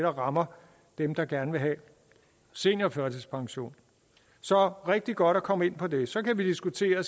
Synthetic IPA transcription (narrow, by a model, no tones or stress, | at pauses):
ɾ̥ɐʁɑ̈mɐ | d̥emd̥ɑ̈ɡ̥æɐnəʋe̝ɦɛ | se̝̰ːnɒfɶɐt͡sʰespʰɑ̈ŋɕo̝̰ːn | sɒ̽ʁɛɡ̥̚d̥iɡ̥ɒ̽ɾ̥ækʰɒ̽məe̝n̰pʰɒ̽d̥e̝sɒ̽kʰæʋid̥isɡ̥ut͡sʰe̝̰ːɐ